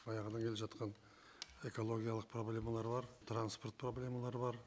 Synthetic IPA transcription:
ɑjɑʁənɑŋkʲeleʒɑt̪qɑn | e̞ko̞lˠo̞ɡʲijalˠəq̚pʰro̞blʲe̞malˠɑɾəbɑɾt̪ranspo̞rt̪̚pʰro̞blʲe̞malˠɑɾəbɑɾ

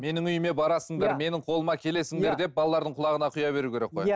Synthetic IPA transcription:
me̞nɪŋʏjɪme̞bɑɾɑsəɴd̪ɑɾme̞nɪŋqʰo̞lˠəmɑkʲʰe̞le̞sɪŋd̪e̞ɾd̪e̞p̚bɑlˠɑlˠɑɾd̪əɴqʰʊlˠɑʁənɑqʰʊjɑbe̞ɾukʲʰe̞ɾe̞k̚ːoj

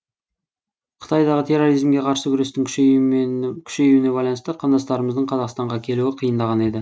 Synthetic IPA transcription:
qʰə̥t̪ʰɑjd̪ɑʁət̪ʰe̞rːoɾijzmɡʲe̞qʰɑɾsəkʲʰʏɾe̞st̪ɪŋʲ | kʲʰʏ̥ʃe̞juwɪne̞bɑjlˠɑnst̪ɑqʰɑnd̪ɑst̪ɑɾəməzd̪əɴqʰɑzɑqst̪ɑɴʁɑkʲʰe̞luɪqʰijənd̪ɑʁɑne̞d̪ɪ

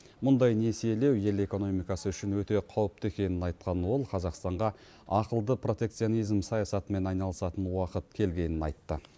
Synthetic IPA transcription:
mʊnd̪ɑjne̞siele̞wje̞le̞ko̞no̞mijkɑsəʏʃɪnwɵt̪e̞qʰɑwəp̚t̪əe̞kʲe̞nɪnɑjt̪qɑnwo̞lˠqʰɑzɑqst̪ɑɴʁɑ | ɑqəlˠd̪əpʰro̞t̪e̞kt̪sijo̞nijzmsɑjɑsɑt̪əme̞nɑjnɑlˠəsɑt̪ənwɑqət̪̚kʲʰe̞lɡʲe̞nɪnɑjt̪ːə

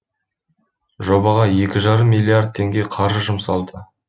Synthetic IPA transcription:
ʒo̞bɑʁɑje̞kʲɪʒɑɾəmːilʲːˠiard̪̚t̪ʰe̞ŋɡʲe̞qʰɑɾʒəʒʊmsɑlˠd̪ə

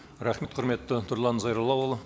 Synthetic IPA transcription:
ɾɑχmet̪̚qʰʊɾme̞t̪ːət̪ʰʊɾlˠɑnzɑjɾəlˠɑwlˠ

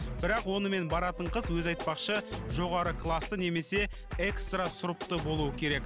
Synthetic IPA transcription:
b̥ɪɾɑqwo̞nəme̞nbɑɾɑt̪əɴqʰəzwɵzɑjt̪̚pɑqʃəʒo̞ʁɑɾəkʰlˠast̪əne̞me̞se̞ | e̞kst̪rasʊɾəp̚t̪əbo̞lˠuəkʲʰe̞ɾe̞k

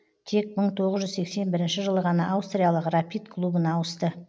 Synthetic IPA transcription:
t̪ʰe̞k̚məɴt̪ʰo̞ʁəzʒʏzse̞kse̞nbɪɾɪnʃɪʒəlˠəʁɑnɑʔːwst̪rʲijalˠəqrapʲijt̪kʰlˠubənɑwəst̪ə

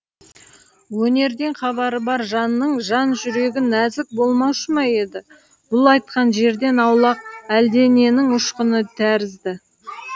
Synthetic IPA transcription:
wɵne̞ɾd̪e̞ɴχɑβɑɾəbɑɾʒɑnːəɴʒɑnʒʏɾe̞ɡʲɪnæzɪk̚bo̞lˠmɑwʃəmɑje̞d̪ɪ | b̥ʊlˠɑjt̪̚qɑnʒe̞ɾd̪e̞nɑwlˠɑq̚æld̪e̞ne̞nɪŋʊʃqənət̪ʰæɾɪzd̪ɪ

